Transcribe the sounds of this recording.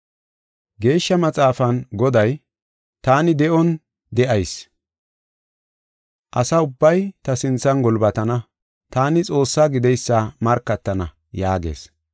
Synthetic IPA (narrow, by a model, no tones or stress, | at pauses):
ɡe̞ːʃːɐmɐt͡sʼaːfɐnɡɔd̪ɐj | t̪aːnɪd̪ɛʔɔn | d̪ɛʔɐjs | ʔɐsɐʊbːɐjt̪ɐsɪnt͡sːɐnɡɔlbɐt̪ɐnɐ | t̪aːnɪt͡sʼo̞ːsːaːɡɪd̪ɛjsːɐmɐɾkːɐt̪ːɐnɐ̰ | jaːɡḛːs